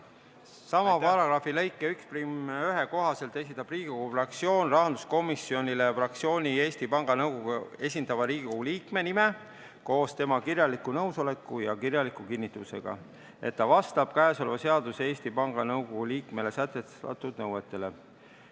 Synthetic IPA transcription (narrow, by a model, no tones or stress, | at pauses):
sɑmɑpɑɾɑɡ̥rɑfilejkˑːeyksprimyɦe̞ko̞ɦɑse̞lt̪ːˑe̞s̬ʲit̪ːˑɑb̥riːɡikoɡ̥ufrɑk̚t̪sio̞ːnrɑɦɑnd̪̥usko̞misːjo̞nʲile̞frɑk̚tsio̞ːnʲie̞ːsʲt̪ipɑŋɡ̥ɑnɤwɡo̞ɡue̞sʲind̪̥ɑvɑɾiːɡiko̞ɡ̥uliːkme̞nime̞ | ko̞ːst̪e̞mɑkirjɑlikːˑunɤwso̞le̞kːˑujɑkirjɑlikːˑukinːit̪ːˑuse̞̰ɡ̥ɑ̰ | e̞̰t̪ːɑvɑst̪ɑb̥̚kæeso̞lvɑse̞ɑd̪useːsʲt̪ipɑŋɡ̥ɑnɤwɡo̞ɡ̥uliːkme̞le̞sæt̪ˑːe | ɑ̰t̪ːˑud̪̥nɤwe̞t̪ːˑe̞le̞